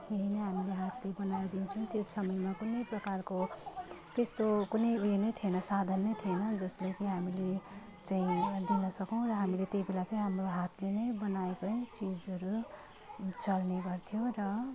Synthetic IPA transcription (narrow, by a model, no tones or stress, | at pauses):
eɦineɦamileɦat̪ʰlebʌnajd̪int͡sʰʌ̃w̃t̪josʌmʌjmakunʌjprʌkarko | t̪est̪okunʌjujenʌjt̪ʰienʌsad̪ʱʌnːʌjt̪ʰienʌd͡zʌslejkiɦamile | t͡saĩd̪inʌsʌkʌw̃rʌɦamilet̪ejbelat͡saĩɦamroɦat̪ʰlenʌjbʌnaekʌjt͡sid͡zʌɾu | t͡sʌlneɡʌrt̪ʰijorʌ